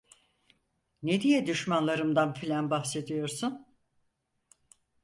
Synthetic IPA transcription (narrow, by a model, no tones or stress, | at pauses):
ned̪ijɛd̪yʃmanlˠaɾɯmd̪anfilʲænbahse̞d̪ijo̞ɾsun